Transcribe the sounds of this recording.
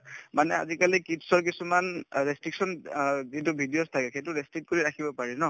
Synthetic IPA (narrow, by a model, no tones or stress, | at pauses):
manɛa̰zikalikitsɔɹkisumanɹestɹiksɔnzitubʱidiostʰakɛxejtuɹestɹit̚koɹiɹakʰibɔpaɹɛnɔ